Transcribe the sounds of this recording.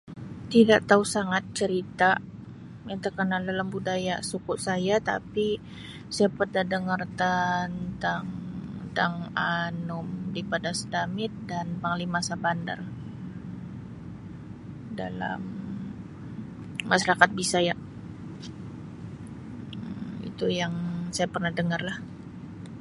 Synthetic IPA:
t̪idaʔt̪ausaŋat̪̚t͡ʃəɾit̪a | jaŋt̪ərkənaldalambudajasukʊʔsajat̪a̰pi | sajapərdadəŋərt̪ant̪aŋt̪aŋanʊmdipadasədamɪt̪̚danpaŋlimasabanda̰r | da̰la̰m | aʃaɾakat̪̚bisajaʔ | ḭt̪ujaŋsajapərnahdəŋarlah

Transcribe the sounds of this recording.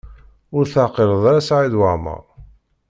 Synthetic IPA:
ʊɾθaʕqiɾəðˤɾasʕiðwamə̰ʁˤ

